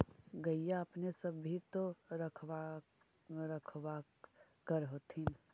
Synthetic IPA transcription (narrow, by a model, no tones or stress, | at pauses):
ɡɐijaɐpnesɐbɦit̪oɾɐkʰwa | ɾɐkʰwa | kəɾɦoːt̪ʰin